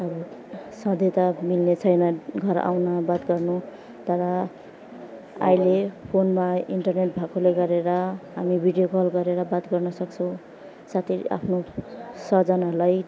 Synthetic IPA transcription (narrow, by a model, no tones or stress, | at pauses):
ʌbʌsʌd̪ʱet̪amilnet͡sʰʌjnʌɡʱʌɾa̰wnabat̪ɡʌrnu | t̪ʌɾʌ | a̰jlepʰonmaiɳʈʌrneʈbʱakʰoleɡʌɾeɾʌɦamibʱiɖijokʌlɡʌɾeɾʌbat̪ɡʌrnʌsʌkt͡sʰʌw̃ | sat̪ʰia̰pʰnosʌd͡zʌnalaj